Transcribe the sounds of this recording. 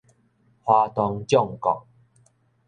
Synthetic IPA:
hwa˧t̪ɔ˧ŋt͡ɕjɔ˥˧˨ŋkɔ̰˨k̚

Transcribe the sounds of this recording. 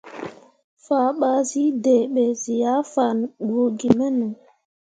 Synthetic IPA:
faː˨˦ɓa˦zi˦de˨ɓe˨zi˨ja˦fa˨n˨ɡo˨ɡi˨mɛ˦nu˨

